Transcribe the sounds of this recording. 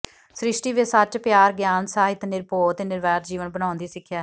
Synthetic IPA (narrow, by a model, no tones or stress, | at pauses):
sɾɪʃʈiːʋesət͡ʃpjaːɾɡjaːnsaːɦɪt̪nɪɾpoːt̪eːnɪɾʋɛːt̪d͡ʒiːʋənbəɽ̃ãːnd̪iːsɪkʰːjaːɦ